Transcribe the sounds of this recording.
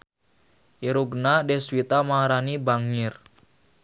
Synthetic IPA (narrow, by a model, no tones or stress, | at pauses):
ʔiɾuɡnadɛswit̪amaɾanibaŋɪr